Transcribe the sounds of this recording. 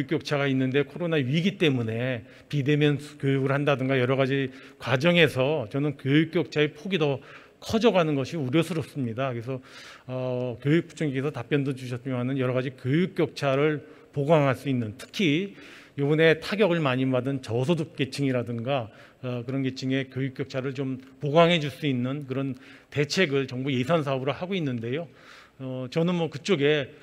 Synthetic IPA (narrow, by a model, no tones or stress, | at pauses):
juk͈jʌk̚t͡ɕʰaɣainːɯndekʰoɾonaɥiɡit͈e̞mune̞ | pide̞mjʌnkjojuɡɯɭhandadɯŋɡajʌɾʌɣad͡ʑi | kwad͡ʑʌŋe̞sʰʌt͡ɕʌnɯnkjojuk̚k͈jʌk̚t͡ɕʰaepʰoɡidʌ | kʰʌd͡ʑʌɡanɯnɡʌɕʰiuɾjʌsʰɯɾʌs͈ɯmɲidakɯɾes̬ʰʌʌkjojuk̚p͈ʰu̥t͡ɕʰuŋiɡesʰʌtap͈jʌndod͡ʑuɕʰʌs͈mjoɦanɯnjʌɾʌɣad͡ʑikjojuk̚k͈jʌk̚t͡ɕʰaɾɯɭ | poɡaŋɦaɭs͈uinːɯntʰɯ̥kʰi | jobune̞tʰaɡjʌɡɯɭmaɲibadɯnt͡ɕʌs̬ʰoduk̚k͈e̞t͡ɕʰiŋiɾadɯŋɡa | kɯɾʌnɡet͡ɕʰiŋe̞kʲjojuk͈jʌk̚t͡ɕʰaɾɯɭt͡ɕompoɡaŋɦe̞d͡ʑuɭs͈uinːɯnkɯɾʌn | te̞t͡ɕʰe̞ɡɯɭt͡ɕʌŋbuje̞sʰansʰaʌbɾohaɡoinːɯnde̞jo | ʌt͡ɕʌnɯnmwʌkɯt͡ɕ͈oɡe̞